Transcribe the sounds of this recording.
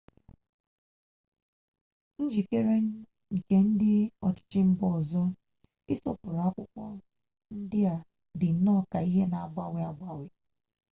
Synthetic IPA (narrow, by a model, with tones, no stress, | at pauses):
n̩˦d͡ʒi˨ke˦ɾe˦n̩˦˨ | ke˦n̩˦dɪ˦ɔ˨t͡ʃɪ̥˨t͡ʃɪ˦m̩˦bɔ˨zɔ˦ | ɪ˦sɔ˦pʊ˨ɾa˦kʷʊ˦kʷɔ˦ | n̩˦dɪ˦a˨ | dɪ˨n̩˨nɔ˦˨ka˨i˦ɦe˦na˨ɡ͡ba˦˨wɪ˨a˨ɡ͡ba˦wɪ˨